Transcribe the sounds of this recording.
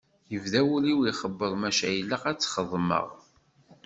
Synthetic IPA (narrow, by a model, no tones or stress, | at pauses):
jəvðæwuliwiχəbːəðˤmæʃæjlːəqæt͡sːχəðˤmə̰ʁ